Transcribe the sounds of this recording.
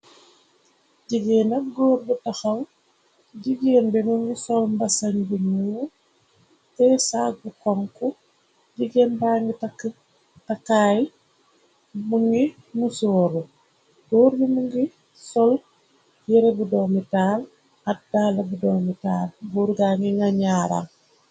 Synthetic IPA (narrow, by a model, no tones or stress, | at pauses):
ɟiɡɛːnɐk̚ɡɔːɾbutɐxɐw | ɟiɡeːnbɛmuŋɡisɔlmbɐsɐɲbumu | tɛsaːk̚bukɔŋkɔ | ɟiɡɛːnbaːŋɡitk | takaːj | muŋɡi | musɔːɾu | ɡɔːɾbimuŋɡi | sɔl | jɛɾɛbudɔːmitaːl | ɐt̚daːlːɐbudɔːmitaːlbuːɾɡaŋɡiŋɡaɲaːɾa̰ŋ